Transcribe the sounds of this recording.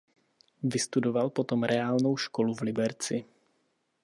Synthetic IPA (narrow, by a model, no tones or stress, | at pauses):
vɪst̪udovalpo̞t̪o̞mɾɛaːlno̞wʃko̞luvlɪbɛɾt͡sɪ